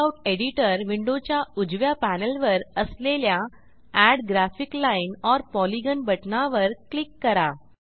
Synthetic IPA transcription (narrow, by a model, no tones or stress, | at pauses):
awʈeɽiʈəɾʋiɳɖot͡ɕjaud͡ʑʋjapænəlʋəɾəslelja | æɽɡɾæfiklainɔɾpɔliɡənbəʈnaʋəɾklikːəɾa